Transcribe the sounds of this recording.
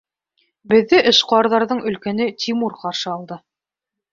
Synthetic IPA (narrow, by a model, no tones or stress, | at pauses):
bɘ̆ðːɘʔɘ̆ʃqoɑɾðɑɾðɤɴɵ̆lkænɘt̪ʲʰimuɾqɑɾʃɤɑlˠd̪ɤ